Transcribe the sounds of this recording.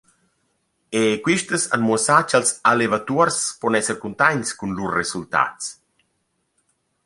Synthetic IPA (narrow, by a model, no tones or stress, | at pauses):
ekwiʃt̪əsa̰nmuəsat͡ʃalsalevat̪uaɾspɔnɛsəɾkunt̪aɲskunlusresult̪a̰t̪s